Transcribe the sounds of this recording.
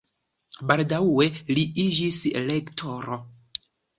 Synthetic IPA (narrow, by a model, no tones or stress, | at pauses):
baldawwe̞liid͡ʒislektʰoɾo